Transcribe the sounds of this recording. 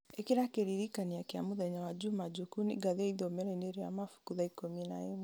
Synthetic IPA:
ekiɾakeɾiɾikaniakeamoðɛɲawad͡ʒumad͡ʒukunḭɡaðeaiðomɛɾɛneɾea̰mafu̥kuðaikomina̰em

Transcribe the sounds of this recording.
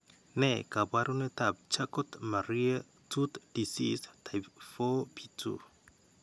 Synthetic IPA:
nekabaɾunetap̚t͡ʃakɔtmaɾia | tʰut̪d̥isistʰajpfɔpʰitʰṵ

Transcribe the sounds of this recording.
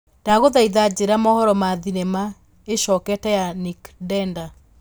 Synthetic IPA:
d̥aɣoðaiðad͡ʑeɾamɔhɔɾɔmaðinema | eʃɔkɛtɛjanikdɛnda

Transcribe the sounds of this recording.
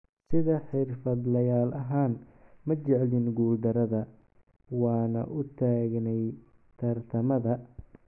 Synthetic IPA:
sɪðɐħɪrfɐd̪lɐjaːlɐɦaːnmɐt͡ʃɛʕlɪnɡuːld̪ɐɾɐðɐ | wɑːnɐ̰ʔʊt̪ʰaːɡnɛj | t̪ʰɐrt̪ʰɐmɐðɐ

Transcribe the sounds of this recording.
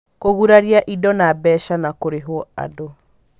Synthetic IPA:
koɣuɾaɾiaʔidɔnabɛʃanakoɾeɦwɔa̰do

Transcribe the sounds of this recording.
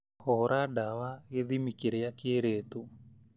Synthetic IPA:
hɔɾʔadawaɣeðimikeɾejakeeɾet̪o

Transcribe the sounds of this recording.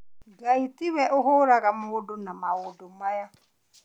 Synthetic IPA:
ɡaitiwɛʔʊɦʊɾaɾamʊʊdʊnamawʊdʊmaja

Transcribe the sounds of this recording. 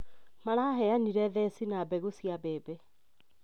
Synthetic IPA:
maɾaɦɛaniɾɛðɛsinabɛɣusiabeːbɛ

